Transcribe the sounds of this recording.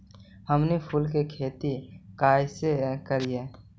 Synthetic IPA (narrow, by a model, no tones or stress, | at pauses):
həmnipʰulk̬ekʰeːt̪ikaːjsekəɾie